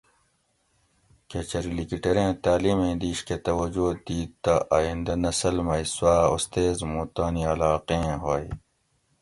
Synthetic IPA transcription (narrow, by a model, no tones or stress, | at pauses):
ket͡ɕɐɾilikiʈɐɾẽːt̪aːliːmẽːd̪iːɕket̪ɐwɐd͡ʑod̪iːt̪ːaʔaːjĩnd̪ɐnɐsɐlmɐiswaːost̪eːzmuːt̪aːniɐlaːqẽːɦoːi